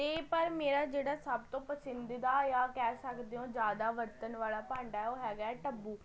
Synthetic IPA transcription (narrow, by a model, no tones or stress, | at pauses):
t̪eːpəɾmeːɾaːd͡ʒeːɽaːsəbt̪õːpəsənd̪id̪aːjãːkɛːsəkd̪eːõːd͡ʒjaːd̪aːʋəɾt̪ənʋaːlaːpãːɳɖaɛoːɦɛːɡaːɛːʈəbːuː